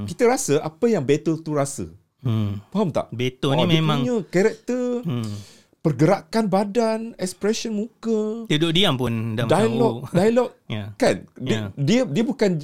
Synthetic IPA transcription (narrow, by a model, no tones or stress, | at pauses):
kit̪əɾasəʔapəjaŋbet̪əlt̪uɾasə̰ | paɦamt̪a̰ʔbet̪ənimiemãŋɲə̃kɛɾɛk̚t̪ə | pərɡəɾakanbadanɛkspɾɛsənmũkəd̪udoʔdiampʊnddajlɔdajlɔk̚jakanddiədiəbukan